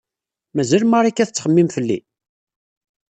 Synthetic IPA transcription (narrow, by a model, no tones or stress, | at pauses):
mæzælmaɾˤikːæθət͡sːχəmːimfəlːḭ